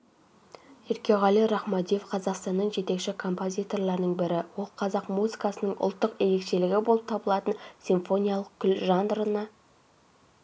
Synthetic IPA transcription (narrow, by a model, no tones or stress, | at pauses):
ɪɾkʲeʁɑlˠiɾɑχmɑd̪ijefqʰɑzɑqst̪ɑnːəɴʒe̞t̪e̞kʃɪkʰo̞mpo̞zʲijt̪o̞rlˠɑɾnəɴbɪɾɪwolˠqʰɑzɑqmuzikɑsənəɴʊ̰lˠt̪ːəqe̞ɾe̞kʃe̞lɪɡʲɪbo̞lˠəp̚t̪ʰɑbəlˠɑt̪ənsʲiɱfo̞nʲijalˠəq̚kʲʰʏlʒɑnɾənɑ